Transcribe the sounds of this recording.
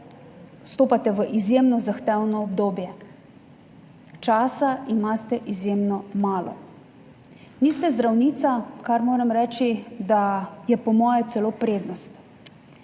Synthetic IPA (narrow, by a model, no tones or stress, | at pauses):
st̪oːpat̪ɛʋəʔizjemnɔzaxt̪ɛwnɔːbd̪oːbjɛ | t͡ʃaːsaimast̪ɛʔizjeːmnɔmaːlɔ̰ | niːst̪ɛzd̪ɾawniːt̪sakaɾmoːɾɛmɾɛt͡ʃid̪ajɛpɔmɔːjɛt̪sɛloːpɾeːd̪nɔst̪